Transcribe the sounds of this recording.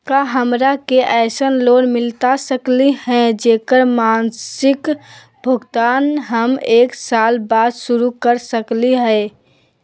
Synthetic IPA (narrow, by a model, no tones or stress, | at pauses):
kaɦəmɾakeʔɛɪsənlonmɪlt̪asəklihɛ̃d͡ʒekəɾmansɪk | bʱəɡt̪aːnɦəmeːksalbad̪suɾukəɾsəkliɦɛ